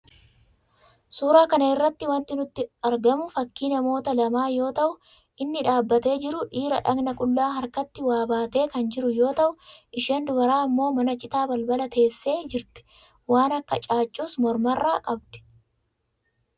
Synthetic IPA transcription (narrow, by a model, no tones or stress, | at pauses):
suːɾaːkɐnɐɪrːɐt̪ːɪwɐnt̪ɪnʊt̪ːɪɐɾɡɐmʊfɐkːiːnɐmo̞ːt̪ɐlɐmaːjo̞ːt̪ɐʔʊ | ʔɪnːɪᶑaːbːɐt̪e̞ːd͡ʒɪɾʊᶑiːɾɐᶑɐɡnɐkʼʊlːaːɦɐɾkɐt̪ːɪwaːbaːt̪e̞ːkɐnd͡ʒɪɾʊjo̞ːt̪ɐʔʊʔɪʃeːnd̪ʊbɐɾaːɐmːo̞ːmɐnɐt͡ʃʼɪt̪aːbɐlbɐlɐt̪e̞ːsːe̞ːd͡ʒɪɾt̪ɛ̥ | waːnɐkːɐt͡ʃʼaːt͡ʃʼːuːsmɔɾmɐrːaːkʼɐbd̪̥ɛ̥